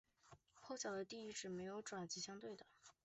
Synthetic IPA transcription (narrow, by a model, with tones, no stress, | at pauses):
xʰo˥˧ʊɕjɑ˨˩ʊd̪ə˦t̪i˥˧i˥˩ʈ͡ʂɻ̩˨˩me˧˥ɪjo˧˥ʊʈ͡ʂwa˨˩nt͡ɕi˧˥ɕjɑ˥ŋt̪we˥˩ɪd̪ə˩